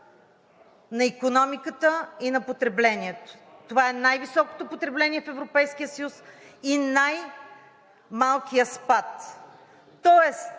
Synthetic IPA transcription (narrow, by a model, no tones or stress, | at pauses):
nɐikonɔmikət̪əinɐpot̪ɾɛblɛniɛt̪o̥t̪ovaɛnajvisɔko̥t̪opot̪ɾɛblɛniɛfɛvɾopɛjsk̟ijəsəjus | inaj | malˠkijəspat̪ː | ɔɛs